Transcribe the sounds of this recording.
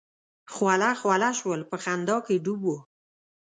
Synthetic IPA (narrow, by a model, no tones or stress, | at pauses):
xwalaxwalaʃwəlpəxand̪ɑkeɖubo